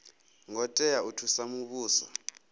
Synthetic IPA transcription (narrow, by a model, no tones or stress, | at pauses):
ŋɔtʼɛjautʰusamuɓuːsa̰